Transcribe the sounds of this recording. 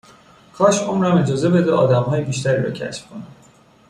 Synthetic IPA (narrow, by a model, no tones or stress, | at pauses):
kʰɒːʃomɾæme̞d͡ʒɒːze̞be̞d̪ɛɒ̰ːd̪æmɦɒːjebiːʃt̪ʰæɾiːɾɒ̰ːcʰæ̰ʃfkʰonæm